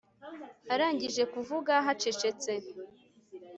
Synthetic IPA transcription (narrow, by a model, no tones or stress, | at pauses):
aɾaːɲɟiʒe̞kuvuɡaɦat͡ʃe̞t͡ʃe̞t͡se̞